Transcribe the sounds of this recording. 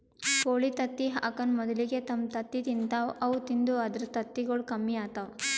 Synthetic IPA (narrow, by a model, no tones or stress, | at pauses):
koːɭit̪ɐt̪ːiɦa̰ːkɐnmɔd̪ɐliɡet̪ɐmt̪ɐt̪ːit̪int̪aːʋɐʋut̪ind̪uad̪ɐɾt̪ɐt̪ːiɡoɭkɐmːiaːt̪aʋ